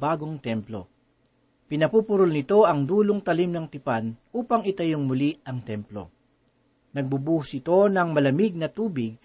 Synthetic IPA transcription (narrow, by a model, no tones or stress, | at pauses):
baːɡo̞ŋt̪ɛmplo̞̰ | pɪnɐpuːpʊɾʊlnɪt̪o̞ʔɐŋd̪uːloŋt̪ɐlimnɐŋt̪ɪpanuːpɐŋɪt̪ɐjoŋmʊliɐŋt̪ɛmplo̞̰ | nɐɡ̚bubuːhʊsɪt̪o̞nɐŋmɐlɐmiɡ̚nɐt̪uːbɪɡ̚